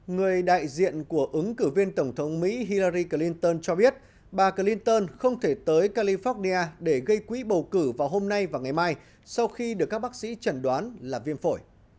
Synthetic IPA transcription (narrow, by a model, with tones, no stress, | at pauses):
ŋɨ˨˩əjɗa̰ː˧˨jzḭ˧˨ənku˧˩əʔɨ˨˦ŋkɨ˧˩vi˧ənt̪ə˧˩wŋ͡mt̪ʰə˨˦wŋ͡mmḭ˧˥ɦi˧laː˧ɾi˧kə˧˩li˧nt̪əː˧nt͡ɕɔ˧ɓi˦˥ət̚ | ɓaː˨˩kə˧˩li˧nt̪əː˧nxə˧wŋ͡mt̪ʰe˧˩t̪əː˨˦jkaː˧li˧fɔ˦˥t̚ni˧aː˧ɗe˧˩ɣə˧jkwḭ˧˥ɓə˨˩wkɨ˧˩vaː˨˩wɦo˧mna˧jvaː˨˩wŋa˨˩jmaː˧j | sa˧wxi˧ɗɨ˨˩kːaː˦˥k̚ɓaː˦˥k̚sḭ˧˥t͡ɕə˧˩nɗwaː˨˦nlaː˨˩vi˧ənfo˧˩j